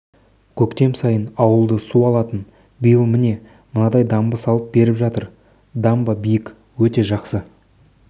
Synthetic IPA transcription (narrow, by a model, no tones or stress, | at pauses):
kʲʰɵkt̪e̞msɑjənɑwəlˠd̪əsuɑlˠɑt̪ən | bijəlˠmɪne̞ | mənɑd̪ɑjd̪ɑmbəsɑlˠəp̚be̞ɾɪpʒɑt̪əɾ | d̪ɑmbəbijɪk | wɵt̪e̞ʒɑqsə